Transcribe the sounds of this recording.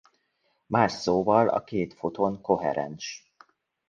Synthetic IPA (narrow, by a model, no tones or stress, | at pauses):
maːrsoːvɒlɒ̰keːt̪fot̪oŋko̞ɦɛ̰ɾɛ̰nʃ